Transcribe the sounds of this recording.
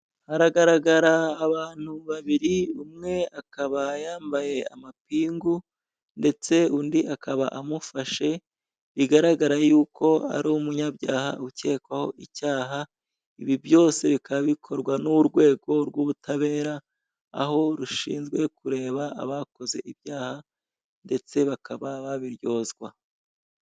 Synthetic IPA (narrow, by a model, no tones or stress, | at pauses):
haɾaɡaɾaɡaɾaːβaːn̥huβaβiɾiumŋe̞akaβajaːmbaje̞a̰mapiːŋɡu | nde̞t͡se̞undiakʰaβa̰ʔamufaʃe̞ | βiɡaɾaɡaɾajuːkʰo̞a̰ɾoumuɲabjaːha̰uce̞ːkwaho̞̰ʔicaːɦa | iβivjo̞ːse̞βikʰaββikʰo̞ɾɡwanuɾɡwe̞ːɡo̞ɾɡwuβutʰaβe̞ːɾa̰ː | ɦo̞ɾuʃḭːnzɡwe̞kuɾe̞ːβaa̰βako̞ze̞̰ʔiβjaːha | nde̞t͡se̞βakʰaβaβaβiɾjo̞ːzɡwa